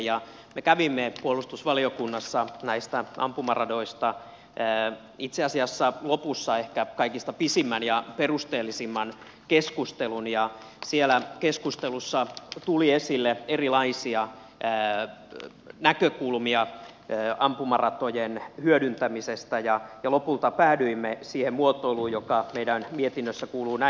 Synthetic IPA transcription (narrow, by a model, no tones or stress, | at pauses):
jɑ | mekæʋimːepuolːˑust̪usʋɑliokunːɑsːɑnæist̪æʔɑ̰mpumɑrɑdoist̪ɑː | it̪seɑsiɑsːɑlopusːɑehkækɑikist̪ɑpisimːænjɑperust̪eːlːisimːɑn | keskust̪elunjɑ | sielækeskust̪elusːɑt̪uliesilːeerilɑisiɑː | nækøkulmiɑ | øːɑmpumɑrɑt̪ojenhyødynt̪æmisest̪æjɑjɑlopult̪ɑpæːdyimːesiːhemmuot̪ːoiluːjjokɑmeidænmiet̪inːøsːækuːluːnæ